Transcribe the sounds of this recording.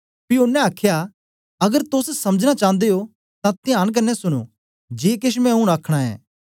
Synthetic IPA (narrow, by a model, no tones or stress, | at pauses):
pionːɛ̃aːkʰja | ɐɡəɾt̪ʊssɐməd͡ʒñat͡ʃãːnd̪eo | t̪ãt̪ɪjãːɽ̃k̬ɐnːɛsʊɽ̃o̰ | d͡ʒeːkɪʃ̬mɛ̃ɦũɽ̃aːkʰɽ̃aɛ̰ː